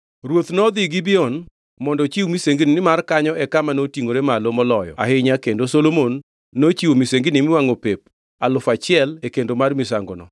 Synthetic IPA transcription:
ɾwot̪nɔd̪ɪɡɪbɪɔn | mɔndɔt͡ʃiwmiseŋɡinɪnɪmarkaɲɔɛkamanotiŋoɾemalomɔlɔjɔ̰a̰hɪɲakendosolomonː | ot͡ʃiwomiseŋɡɪnɪmɪwaŋopep̚ | alʊfat͡ʃɪɛlekendomarmɪsaŋɡonɔ̰

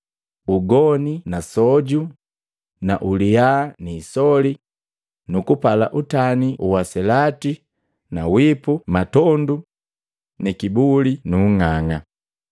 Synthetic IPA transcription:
uɡɔninasɔɟu | na̰ʔulianiːsɔli | nukupala̰ʔutaniʔuwasɛlati | nawipumatɔndu | nikibulinuŋaŋa

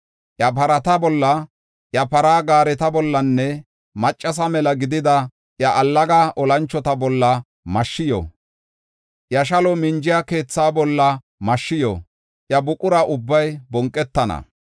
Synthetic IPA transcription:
ʔjɐpɐɾɐt̪ɐbɔlːɐ | ʔjɐpɐɾaːɡaːɾɛt̪ɐbɔlːɐnːɛ | mɐt͡ʃʼːɐs̬ɐmɛlɐɡɪd̪ɪd̪ɐ | ʔjɐʔɐlːɐɡaʔɔlɐnt͡ʃːɔt̪ɐbɔlːɐ | mɐʃːɪjɔ̰ | ʔjɐʃ̬ɐlɔmɪnd͡ʒɪjake̞ːt͡sːaːbɔlːɐ | mɐʃːɪjɔ̰ | ʔjɐbʊkʼʊɾɐʔʊbːɐjbɔŋkʼːɛt̪ːɐnɐ̰

